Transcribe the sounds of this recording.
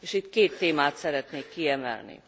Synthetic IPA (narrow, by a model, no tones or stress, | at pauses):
eːʃit̪keːt̪ːeːmaːt̪sɛɾɛt̪neːkːiɛmɛ̰lnḭ